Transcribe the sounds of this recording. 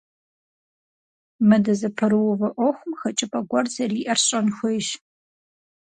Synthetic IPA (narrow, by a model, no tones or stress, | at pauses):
mɨdɐzɐpʰɐɾɨwʊvɐʔʷɔxʷʊmxɐt͡ʃʼɪpʼɐɡʷɔrzɐriːʔɐrɕʼɐnxʷeʒ